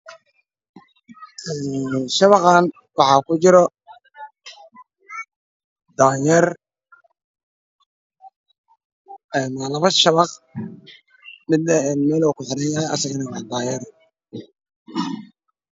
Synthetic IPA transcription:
ɛːʃɐβɑqɑːn | wɑħɑːkʰʊt͡ʃɪɾɔ | d̪aːjɛr | ɛːnwlɐβɐʃɐβɑq | mɪd̪nɐɛːnmɛːlɔwkʊħɪɾɐnjahɛjʔɐ̰sɐɣɪnɛwɑd̪aːjɛr

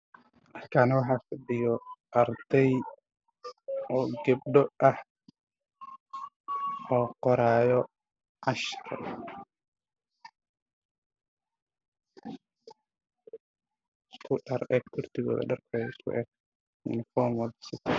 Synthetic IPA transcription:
ʔɐkʰaːnɐwɑħɑːfɐɖɪjɔʔɐrd̪̥ɛj | ʔɔːɡɐb̚ɖɔʔɐh | ɔːqɔɾaːjɔ | ʕɑʃɐr | skʰʊɖɐrɛːkkʰʊrt̪ʰɪɣɔ̰ːðɐ̰ɖɐrkʰɔːɛɪskʰʊ̰ʔɛːɡ̚ | ʊ̰nɪfɔːmwɐd̪sɪt̪ʰ

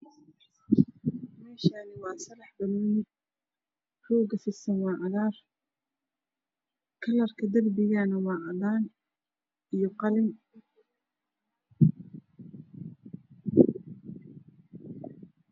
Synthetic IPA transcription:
mɛːʃaːnɪwɑːsɐlɑħbɐlːnɪ | rɔːɡɐsɪsɐnwɑːʕɑðaːr | kʰɐlɐrkʰɐd̪ɐrbɪjanɐwɑːʕɑðaːn | ʔijɔqɑlɪm

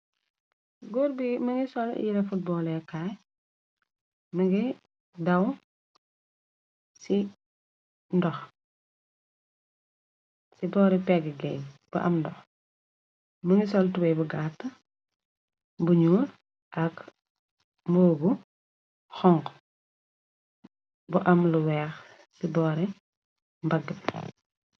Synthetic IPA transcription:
ɡuɾbimɐŋɡisɔl̰jiɾɛfut̚bɔlɛkaːj | mɐɡi | dɐw | si | ndɔx | sibɔːɾipɛɡiɡɛ̰jb̥ɐ̰ʔɐmndɔx | muŋisɔltubɛjbuɡatːɐ | buɲuːl | ʔɐk | mbɔːbu | xɔŋk | buʔɐmluwɛːx | sibɔːɾɛ | mbɐɡə

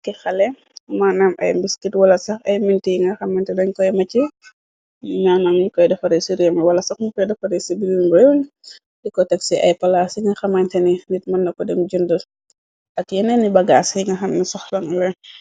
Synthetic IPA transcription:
kixɐlɛ | manɐmʔɐ̰jmbiskitwɐlɐsɐxɐjmintiŋɡɐxɐmɐntɛdɐɲkɔjmɐci | nanɐmɲikɔjdɐfɐɾɛsiɾimɐwɐlɐsɐxɲikɔjdɐfɐɾɛsibilbɔjun | dikɔtɐksiʔɐ̰jpɐlasiŋɡɐxɐmɐntɛninit̚mɐnːɐkɔdɛmd͡ʒundə | ʔɐkjɛnɛnibɐɡaːsŋɡɐxɐmnisɔxlɐŋlɛ

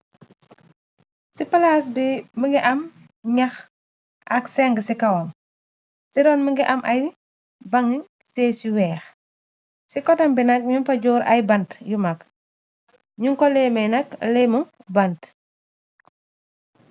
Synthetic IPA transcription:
sipɐlaːs̬biməŋɡiʔɐm | ɲɐx | ʔɐksɛŋɡəsikɐwɔn | siɾɔːnməŋɡiʔɐmʔɐj | bɐŋi | sɛːsiwɛːx | sikɔtɐmbinɐk̚ɲumpɐɟɔːɾɐ̰jbɐntjumɐk | ɲuŋkɔlɛːmɛnɐk̚lɛmubɐnt

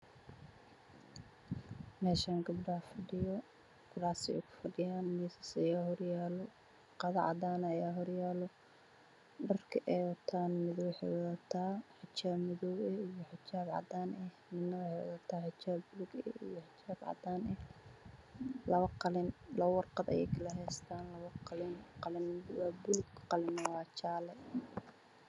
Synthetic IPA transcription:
mɛːʃaːŋɡɐbɖɐhɐfɐɖɪjɔ | ɡ̥ʊɽaːsɛ̰ʊkʰʊ̥fɐɖɪjaːnmiːsɐsɐjaːɦɔrjaːlɔ | qɑðɐʕɑ̰d̪aːnɐjaːɦɔrjaːlɔ | ɖɐrkʰɐʔɛwɐt̪ʰaːnmɪðɔwħɛ̰wðɐt̪ʰaːħɪt͡ʃaːbmɪðɔwɛijɔħɪt͡ʃaːbʕɑ̰d̪aːnɛhmɪd̪nɐwħɛw̰ðɐt̪ʰaːħɪt͡ʃaːbːʊlʊɡɛḭjɔħɪt͡ʃaːbʕɑ̰d̪aːnɛh | lɐβɐqɑlɪnlɐβɐwɑrqɑd̪ɐ̰jɛ̰jkʰɐlɐɦɛst̪ʰaːnlɐβɐqɑlɪnqɑlɪnwɑːbʊlʊɡqɑlɪnɐwɑːt͡ʃaːlɛ

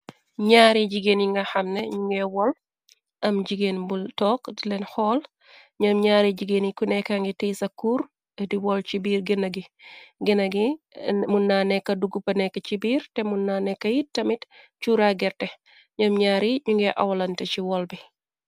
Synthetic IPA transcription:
ɲaːɾiɟiɡeniŋɡɐxɐmnɛɲuŋɡɛwɔl | ʔɐmɟiɡenbultɔːkdilɛnxɔːl | ɲɐmɲaːɾiɟiɡenikunɛkaŋɡitisɐkːuːɾ | diwɔlt͡ʃibiːɾɡənɐɡiɡinɐɡimunːaːnɛkːɐduɡupɐnɛkːɐt͡ʃibiːɾtɛmunːanɛkːɐjitːɐmitt͡ʃuːɾaɡɛɾtɛ | ɲɐmɲaːɾiɲuŋɡɛʔɐ̰wɐlɐntɛt͡ʃiwɔlbi

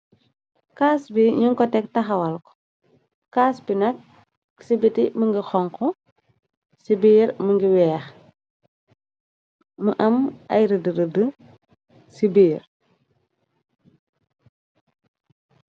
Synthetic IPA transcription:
kaːsbiɲuŋkɔtɛk̚tɐxɐwɐlkɔ̥ | kːaːsbinɐk̚ | sibitiməŋɡəxɔŋkɔ | sibiːɾməŋɡiwɛːx | məʔɐmɐ̰jɾədəɾədə | sibiːr

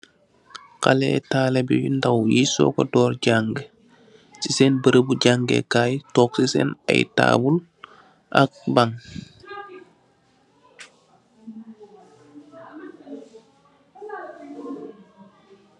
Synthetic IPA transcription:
kalɛ̰taːlebijundawjiso̰kɔdɔːɾɟaŋɡə | sisenbəɾəbuɟaŋɡḛkaːjtɔːksisɛ̰na̰jta̰ːbul | ʔak̚baŋ

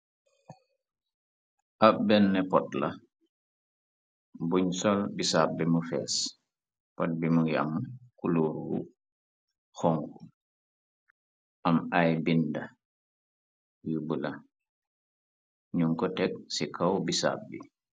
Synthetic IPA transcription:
ʔabɛnːɛpɔtla | buɲsɔlbisap̚bimufɛ̰ːs | pɔt̚bimuja̰mkuluːɾwṵ | xɔŋɡu | ʔamajbinda | jubula | ɲuŋkɔtɛk̚sikʰawbisa̰p̚bḭ

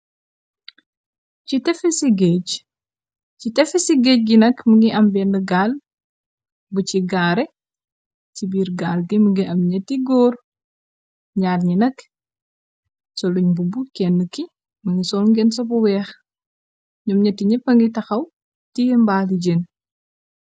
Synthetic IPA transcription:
citɛfɛsiɡɛc | citɛfɛsiɡɛc̚ɡinɐkməŋɡiʔɐmbɛnəɡaːl | buciɡaːɾɛ | cibiːɾɡaːlɡiməŋɡiʔɐmɲɐtːiɡɔːr | ɲaːrɲinɐk | sɔluɲbubukɛnːəki | mɐŋɡisɔːlŋɡɛnsɔpɔwɛːx | ɲɔmɲɐtːiɲɛpɐŋɡitɐxɐw | tijmbaːliɟen

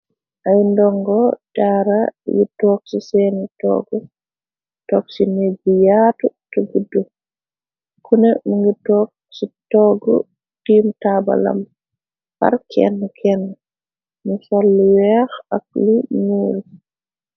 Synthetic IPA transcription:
ʔajndɔŋɡɔdaːɾajḭtɔːk̚sisɛːnitɔ̰ɡɔ | tɔk̚sined͡ʒijaːtutɔɡudːu | kʰunɛmuŋɡitɔːk̚sitɔɡɔ̰ | tiːmtaba̰la̰m | ha̰ɾkʰɛ̰nːkʰɛnː | nusalːiwɛxak̚liɲuːl

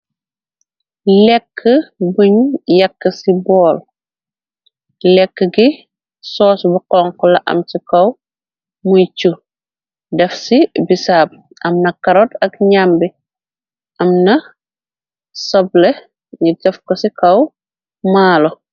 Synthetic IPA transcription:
lɛkʰːəbuɲjɐkːəsibɔːl | lɛkːəɡi | sɔːsbuqɔŋkɔlɐʔɐ̰msikɐw | mujt͡ʃu | dɛfsibisaːb̚ | ʔɐmnɐkɐɾɔtɐkɲambi | ʔɐmnɐ | sɔblɛ | ɲidɐfkɐsikɐw | maːlɔ

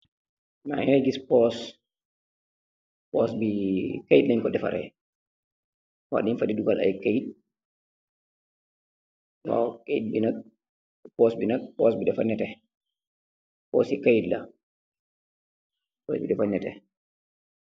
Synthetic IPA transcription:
na̰ineɡispɔs | pɔsbikajtlainkɔdɛfa̰ɾɛ̰ | wa̰dinfadiduɡalʔa̰jkajt̚ | wa̰wkejd̚binak̚ | pɔsbinak̚pɔsbiɗɛfanːɛtɛ | pɔ̰sikajdla | pɔsbiɗɛfanɛtɛ̰

